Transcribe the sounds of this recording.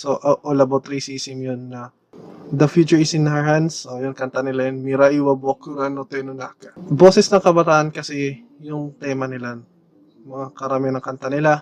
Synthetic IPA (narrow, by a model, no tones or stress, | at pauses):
soʔoʔolɐbot̪ɾisiːsɪmjonːɐ | d̪ɐfjuːt͡ʃʊɪsɪnahansojonkɐnt̪anɪlajɐnmiɾaʔiwɐbokʊɡanot̪ɛnʊnakɐ̥bo̞ːsɛsnɐŋkɐbɐt̪aːʔɐnkɐsɛ | jʊŋt̪ɛːmɐnɪla | mɐŋakɐɾɐmɪnɐŋkɐnt̪anɪla